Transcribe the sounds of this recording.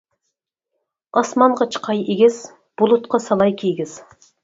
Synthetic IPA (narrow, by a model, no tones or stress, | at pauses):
ɑsmɑɴʁɑt͡ʃʰə̥qʰɑjeɡʲɪz̥ | b̥ʊlˠʊt̪̚qʰɑsɑlˠɑjkʲʰeɡʲɪz̥